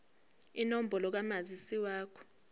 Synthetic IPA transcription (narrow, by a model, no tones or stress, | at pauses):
inom̩bʱɔlɔk̬amazisiwaːkʰɔ̥